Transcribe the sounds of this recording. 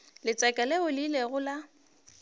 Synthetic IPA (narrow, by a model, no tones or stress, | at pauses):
lɪt͡sʼɛkʼaleʊlileɣʊla